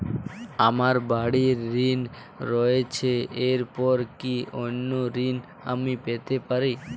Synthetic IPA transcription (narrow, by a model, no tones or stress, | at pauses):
amaɾbaɽiɾːin | ɾɔet͡ʃʰeeɾpɔɾkionːoɾin | a̰mipet̪epaɾi